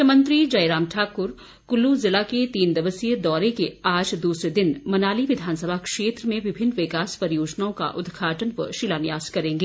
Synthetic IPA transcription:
əmɐ̃nt̪ɾid͡ʒɐjɾaːmʈʰaːkʊɾ | kʊlːuzɪlaket̪iːnd̪ɐʋəsijəd̪ɔːɾekeaːd͡ʒd̪uːsɾed̪ɪnmɐnaːliʋɪd̪ʱaːnsəbʱakʃeːt̪ɾəmẽʋɪbʱɪnːʋɪkaːspɐɾjoːd͡ʒnaõka̰ʔʊd̪ɡʱaːʈənʋəʃɪlanɪjaːz̥kɐɾẽːŋɡeː

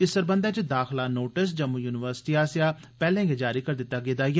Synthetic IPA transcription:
ɪsəɾbə̃nd̪ɛːt͡ʃd̪aːxʰlaːnoːʈɪs̬d͡ʒəmːujuːnɪʋəɾsʈiːaːsaː | pɛːlɛ̃ːɡed͡ʒaːɾiːkəɾd̪ɪt̪ːaːɡeːd̪aːj

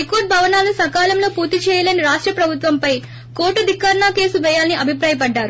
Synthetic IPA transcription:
ikoːʈ̚bʱɐʋɐnaːlnusɐkaːlɐmlo̞ːpuːɾt̪it͡ʃɛːjɐlɐniɾaːʂʈɾɐpɾɐbʱut̪ʋɐmpɐj | koːʈːud̪ikːaːɾɳaːke̞ːsuʋɛːjaːlɐniɐbʱipɾaːjɐpɐɖːaːɾu

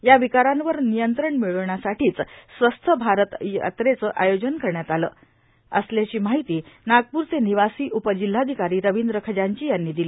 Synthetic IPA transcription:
jaʋikaɾãnʋəɾnijənt̪ɾəɳmiɭəʋɳjasaʈiːt͡ssʋəst̪ʰəbʱaɾət̪jə̰t̪ɾet͡səːʔajod͡ʑənkəɾɳjat̪alə̰ː | əsljat͡ɕiːmaɦit̪iːnaɡ̚puɾt͡seniʋasiːʔupəd͡ʑil̤ːad̪ʱikaɾiːɾəʋind̪ɾəkʰəd͡ʑaɲt͡ɕiːjanːiːd̪iliː

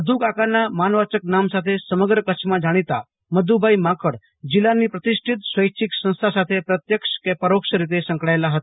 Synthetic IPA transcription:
əd̪ʱukakanːamanʋat͡ɕək̚namsat̪ʰesəməɡɾəkət͡ʃmãd͡ʑaɽ̃it̪a̰ | məd̪ʱubʱajmakəɽ | d͡ʑilanːiːpɾət̪iʂʈʰit̪sʋəjkt͡ʃʰiksə̃w̃st̪ʰasat̪ʰepɾət̪jəkʂkepəɾokʂəɾit̪esə̃ŋkɭajlaɦət̪a

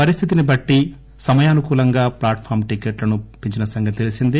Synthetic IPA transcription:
pɐɾist̪ʰit̪inibɐʈːi | sɐmɐjaːnukuːlɐŋɡaːplaːʈpʰaːɾmʈikeːʈlɐnupiɲt͡ʃinɐsɐŋɡɐt̪elisind̪i

